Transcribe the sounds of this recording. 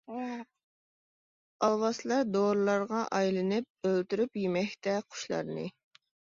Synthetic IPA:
ɑlˠwɑslˠɑɾd̪oɾlˠɑɾʁɑʔɑjlˠɨnɨp̚ølt̪yɾypjimɛkʲt̪ɛqʰʊ̥ʃlˠɑ̰ɾnɨ̰

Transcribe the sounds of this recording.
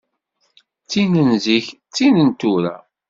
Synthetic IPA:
t͡sːinənziç | t͡sːinənt̪uɾa̰

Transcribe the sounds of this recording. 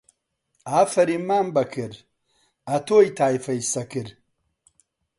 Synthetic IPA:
aːfɐɾimaːmbɐkʰiɾ | ɐt̪oːjt̪ʰaːjfɐjsɐkiɾ

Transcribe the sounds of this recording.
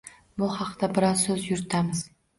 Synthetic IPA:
bʊhɑqt̪abɪɾɒsɵzjʊɾɪt̪ʰamɪz̥

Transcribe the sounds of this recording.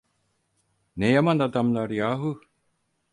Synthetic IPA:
nejamand̪ad̪amlaɾijaːɦu

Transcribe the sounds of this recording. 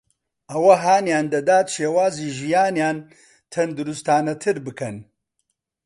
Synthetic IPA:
ʔɐwɐɦaːnjaːnd̪ɐd̪aːt̪ʃeːwaːziːʒijaːnjaːn | t̪ʰɐnd̪uɾust̪aːnɐt̪ʰɨɾbɨkʰɐn

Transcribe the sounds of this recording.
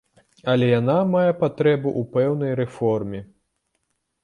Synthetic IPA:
ɐlʲɛjanamajɛpat̪ɾɛbuʔupɛwnɐjɾɛfɔrmʲɛ

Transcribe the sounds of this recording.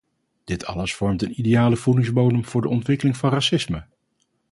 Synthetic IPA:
d̥ɪtʰɑ̰ləsfɔɹmtənidejaːləvudɪŋzbownəmv̥ʊːɹdəɔntʋɪkəlɪŋvɑnrasɪsmə

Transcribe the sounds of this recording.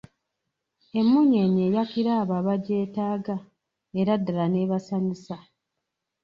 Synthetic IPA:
e̞mːuɲeɲe̞ːjakiɾaːβaβaɟe̞ːtaːɡa | eɾadːalane̞ːβasaɲisa

